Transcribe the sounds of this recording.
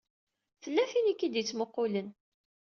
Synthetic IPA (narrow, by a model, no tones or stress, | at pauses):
θəlːæfinikːid̪jət͡sːmoqːʊlən